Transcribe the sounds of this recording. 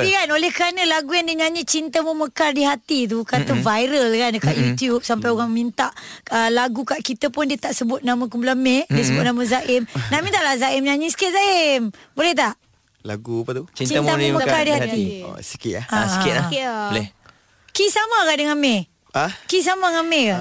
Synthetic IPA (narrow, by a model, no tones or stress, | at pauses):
ikanolɛhkəɾanə̃laɡujandiəɲaɲit͡ʃint̪əmuməkardiɦat̪it̪̬ukat̪əvajɾəlkandkaʔjut̪ijup̚sampajoɣaŋmint̪aʔəlaɡukaʔkit̪əpʊndiət̪aʔsəbʊt̪̚nãmãk̬umpulamɛdiəsəbʊt̪̚namãzaʔɪmnaʔmĩnt̪aʔlahzaɪmɲaɲĩsə̥kɪt̪̚zaɪmbolɛht̪aʔ | la̰ɡupat̪ut͡ʃit͡ʃinamuməkardihat̪ḭsi̥kɪt̪̚aaskɪalɛ | kisamãkadəŋamɛ | akis̬amaŋamɛka